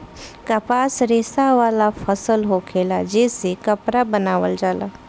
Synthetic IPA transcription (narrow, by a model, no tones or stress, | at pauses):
kapaːsɾɪsaʋaːlafʰəsəlɦokʰeːlad͡ʒesekɐpɾabənaːʋə̰ld͡ʒaːla̰